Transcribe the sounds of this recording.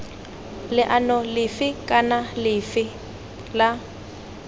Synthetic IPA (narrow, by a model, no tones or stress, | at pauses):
lɪʔanɔlɪfɪkʼanalɪfɪ | la